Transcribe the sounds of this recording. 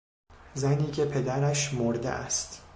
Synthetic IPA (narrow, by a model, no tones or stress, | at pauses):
zæniːcʰe̞pʰe̞d̪æɾæʃmoɾd̪ḛʔæ̰st̪